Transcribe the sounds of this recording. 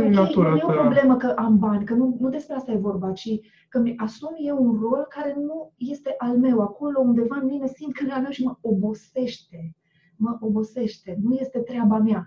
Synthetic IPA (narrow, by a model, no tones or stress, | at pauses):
jeopɾo̞ble̞məkəʔambanʲkənunud̪e̞spɾeast̪aje̞vo̞rbat͡ʃi | kəmasumje̞wunro̞lkaɾe̞nuje̞st̪e̞ʔalme̞wako̞lo̞und̪e̞vaɨnmine̞sint̪̚kʰɨnɡalmewʃiməo̞bo̞se̞ʃt̪e̞ | məʔo̞bo̞se̞ʃt̪e̞nuje̞st̪e̞t̪ɾʲeabamja